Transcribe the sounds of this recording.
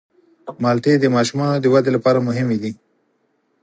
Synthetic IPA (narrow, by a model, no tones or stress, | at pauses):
mɑlt̪ed̪əmɑʃumɑnod̪əwad̪elapɑɾamʊɦɪmed̪i